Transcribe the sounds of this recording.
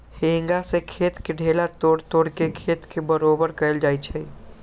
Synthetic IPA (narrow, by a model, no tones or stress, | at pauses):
hẽŋɡasẽkʰet̪keɖʱelat̪oɽt̪oɽkekʰet̪kebəɾobəɾkəeld͡ʒajt͡ʃʰɛ